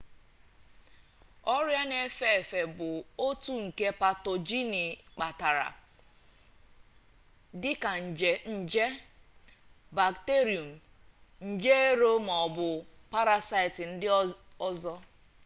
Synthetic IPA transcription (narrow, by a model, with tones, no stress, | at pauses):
ɔ˦ɾja˦ne˨˦fe˦e˨fe˨bʊ˨o˦tu˦ŋ̩˨ke˦pa˨to˨d͡ʒi˦ni˨k͡pa˨ta˨ɾa̰˨ | dɪ˦ka˨n̩˨d͡ʒe˨n̩˨d͡ʒe˦ | ba˨kte˦ɾi˨o˨m̩˨ | n̩˦d͡ʒe˦e˦ɾo˦mɔ˨bʊ˨pa˦ɾa˦sa˦ɪ˨tɪ˨n̩˦dɪ˦ɔ˦zɔ˦